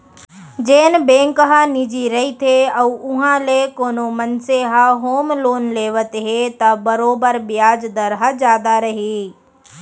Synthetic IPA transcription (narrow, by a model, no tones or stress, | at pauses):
d͡ʒeːnbẽːŋkɦənɪd͡ʒiɾɐɦit̪ʰeɐuʊɦãlekoːnomɐnseɦaɦoːmloːnleːʋət̪ɦet̪ɐbɐɾoːbəɾbɪjaːd͡ʒd̪əɾɦəd͡ʒaːd̪aɾɐɦiː